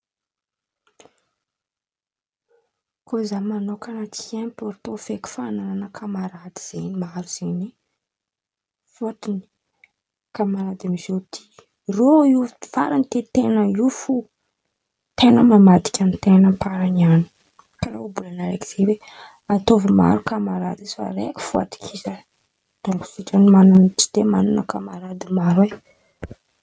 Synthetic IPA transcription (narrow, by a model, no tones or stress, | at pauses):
kozamanokanat̪i̥anpoɾt̪ofeku̥fanananəkʰamaɾad̪iz̥enimaɾuz̥eni | foʈ͡ʂini̥ | kamaɾad̪amizot̪ʰi̥ | rouva̰ɾanit̪et̪enəufu | t̪enəmamad̪i̥kʲanit̪enəpaɾaniani̥ | kaɾa̰ubulanaɾḛki̥z̥ewe | at̪ovima̰ɾukamaɾad̪ifa̰ɾekʲi̥fua̰t̪i̥kʰisə | d̪̥oŋɡu̥siʈ͡ʂanimanuniti̥d̪emanunəkamaɾad̪imaɾwe